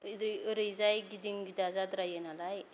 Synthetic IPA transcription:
id̪ɾɾəjd͡zajɡid̪iŋɡid̪ad͡zad̪ɾajenalaj

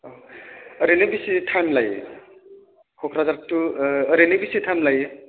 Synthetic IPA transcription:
o | ɾenebisitʰamlaj | kʰokʰɾad͡zaɾtuɾenebisitʰamlaj

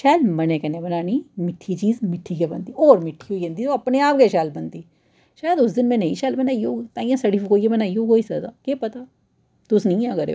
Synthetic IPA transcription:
ʃaːjlmənẽːkɛnẽbənaːniːmɪʈʰːiːt͡ʃiːzmɪʈʰːiːkebə̰nd̪iːoːɾmɪʈʰːiːɦoːiẽːnd̪iːt̪oːɐpneːaːpɡeːʃaːlbənd̪iː | ʃaːjəd̪ʊs̬d̪ɪnmɛ̃ːneḭ̃ːʃaːlbənaːioːt̪ãːĩːãːsəɖifɪkoːieːbənaːiːoːɦoːiːsəd̪a̰ːkepət̪aː | t̪ʊsnĩːãːɡəɾḛ

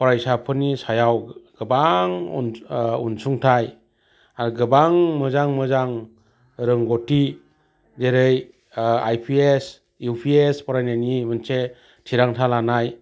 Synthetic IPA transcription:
pɔɾajsapʰɯnisajawɡɯbaŋṵnṵnsuŋtʰaj | aɡɯbaŋmɯzaŋmɯzaŋ | ɾɯŋɡoti | deɾɯj | ajpʰies | jupʰiespɔɾajnanimɯnse | tʰiɾaŋtʰalanaj

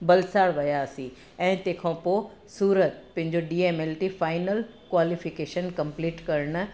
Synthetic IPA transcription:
bɐlsaːɽʋɐjaːsĩ | ɛ̃ːt̪ẽːkʰãpoː | suːɾət̪̚pɐ̃ɦɪ̃ɲd͡ʑoɖiːeːmeːlʈifaːɪnəlkwaːlifɪkeːʃənkɐ̃mpliːʈkɐɾɽ̃

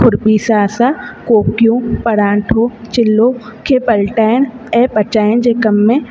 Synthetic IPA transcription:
kʰʊɾbiːsaːsaːkoːkjũpɐɽãːʈʰot͡ʃɪlːoːkʰeːpəlʈaːɪn | eːpət͡ʃaːɪnd͡ʒeːkɐmːẽ

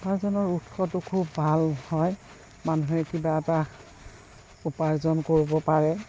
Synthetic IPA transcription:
paɹzɔnɔɹutxɔtʊkʰubːʱalhɔj | manuɦɛkibaɛta | upaɹzɔnkoɹibɔpaɹɛ

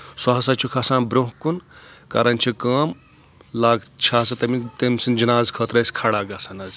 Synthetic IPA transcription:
swaɦsat͡ʃʰukʰɐsãːnbɾoɦkunkaːɾɐnt͡ʃʰikɐːm | laːɡt͡ʃʰaːsɐt̪ɐmit̪ɐmsind͡ʒɐnaːzkʰɐt̪ɾɐsʲkʰaːɽaːɡaːsanɐz

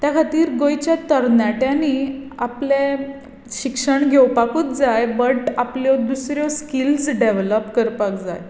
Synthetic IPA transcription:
t̪jakʰat̪iːɾɡojt͡ɕjat̪əɾnjaʈjaniaple | ɕikʂəɳɡʱewpakuːt͡s̪d͡zajbəʈapljɔd̪usɾjɔskild͡zɖeʋləpkəɾpak̚d͡za̰j

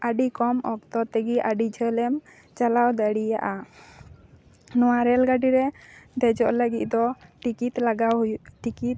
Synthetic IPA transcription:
aɖikɔmɔ̰kt̪ɔt̪ɛɡiʔaɖid͡ʒʱəlɛm | t͡ʃalawd̪aɽija̰ʔa | nɔwaɾɛlɡaɖiɾɛd̪ɛd͡ʒɔʔləɡit̪̚ˀd̪ɔʈikit̪laɡawjʈikit̪̚

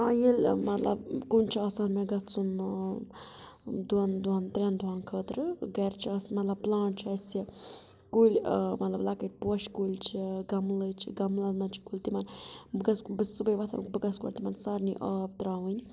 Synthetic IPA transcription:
ajelʲmɐt̪lɐ̰bkunʲt͡ʃʰiaːsaːnmeɡɐt͡sun | d̪and̪uant̪ɾʲɐnd̪uankʰəːt̪ɾɨɡɐɾt͡ʃʰiaːsmɐt̪lɐbplaːɳt͡ʃʰɐsi | kulʲmɐt̪lɐblakəʈ̚ʲpoːʃkulʲt͡ʃʰiɡɐmlət͡ʃʰiɡɐmlɐnmɐnt͡ʃʰi̥kulʲt̪imɐnbɨɡɐsbɨsubəjʋat̪ʰɐ̰nkbɨɡɐskɔ̰ɾt̪imɐnsaɾnḭʔaːb̚t̪ɾaːʋɨnʲ

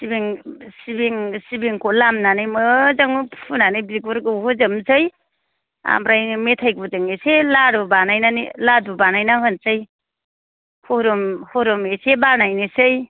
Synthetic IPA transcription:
sibiŋsibiŋsibiŋkʰolamnanɯjmɯzaŋppʰunanɯjbiɡuɾɡɯwhɯzɯmsɯj | a̰mɾajmetʰajɡuzɯŋeselaɾubanajnanḭladubanajnahɯnsɯj | hoɾɔmhoɾɔmesebanajnesɯj

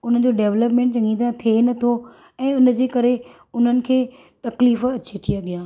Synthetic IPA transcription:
ʊn̤əd͡ʑoɖeːʋləpmẽːɳʈd͡ʑɐ̃ŋɡĩt̪ãt̪ʰienɐt̪ʰo | ɛ̃ːʊnd͡ʑeːkɐɾe | ʊn̤ənɪ̆kʰeː | t̪ɐkliːfɐt͡ɕet̪ʰiaɠijãː

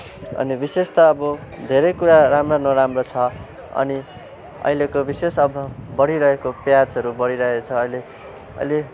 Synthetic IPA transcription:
ʌ̰nibisest̪ʌːbʌd̪ʱeɾʌjkuɾaramranʌɾamrot͡sʰʌ | ʌ̰ni | ʌ̰ilekobisesʌbʌbʌɽiɾʌɦekopjad͡zɦʌɾubʌɽiɾʌet͡sʰʌːjle | ʌ̰jle

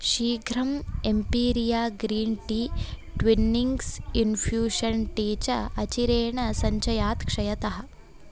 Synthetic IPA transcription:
ʃiːɡʱɾɐmempiːɾijaːɡɾiːnʈiː | ʈʋinːiŋɡsinfʰjuːʃɐnʈeːt͡ʃɐɐt͡ʃiɾeːɳɐsɐɲt͡ʃɐjaːt̪kʂɐjɐt̪ɐɦɐ̆

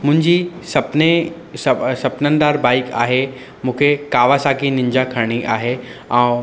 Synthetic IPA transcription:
mʊ̃ɦɪ̃ɲd͡ʑisɐpne | sɐsɐpnənd̪aːɾbaːɪka̰ːɦe | mũːkʰekaːʋasaːkinɪ̃ɲd͡ʑakʰɐɾɽ̃iʔa̰ːɦeãː

